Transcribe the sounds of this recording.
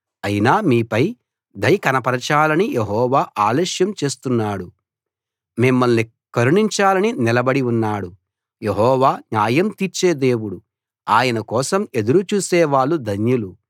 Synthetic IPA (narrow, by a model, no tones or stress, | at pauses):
ɐjinaːmiːpɐj | d̪ɐjkɐnɐpɐɾɐt͡ʃaːlɐnijeɦɔːʋaːʔaːleːʃjɐmt͡ʃe̞ːst̪unːaːɽu | mimːɐlni | kɐɾuɳiɲt͡ʃaːlɐninilɐbɐɽiunːaːɽu | je̞ɦɔːʋaːɲaːjɐmt̪iɾt͡ʃe̞ːd̪e̞ːwuɽu | aːjɐnɐkɔːsɐme̞d̪uɾut͡ʃuːsɛːʋaːɭːud̪ʱɐnjulu